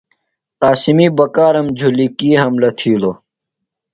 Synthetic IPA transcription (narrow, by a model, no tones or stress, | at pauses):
qaːsimiːbɐkaːɾɐmd͡ʑʱulikiːɦɐmlɐt̪ʰiːlo